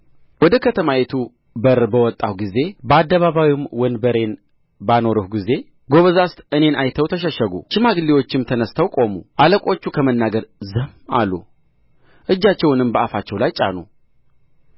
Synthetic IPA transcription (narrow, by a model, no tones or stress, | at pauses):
wɔd̪əkʰət̪ʰəmajet̪ʰu | bəɾbəwɔt̪ʼːawɡize̞bəad̪ːəβaβawimwənd̪bəɾe̞n | bano̞ɾɨhɡize̞ | ɡo̞βəzast̪ɨne̞najt̪ʰəwt̪ʰəʃəʃəɡṵʃɨmaɡɨliwo̞t͡ʃːɪmt̪ʰənəst̪ʰəwkʼo̞mṵʔaləkʼo̞t͡ʃːukʰəmənːaɡəɾzɨhma̰lːṵ | ʔɨd͡ʒːat͡ʃːɛwnɨmbəafat͡ʃːɛwlajt͡ʃʼa̰nṵ